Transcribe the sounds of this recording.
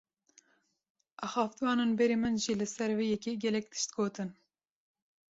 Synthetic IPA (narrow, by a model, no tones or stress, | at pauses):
ʔɑːxɑːft̪wɑːneːnbɛɾeːmɨnʒilɨsɛɾveːjɛkʲeɡʲɛlɛk̚t̪ʰɨ̥ʃt̪̚ɡoːt̪ɨn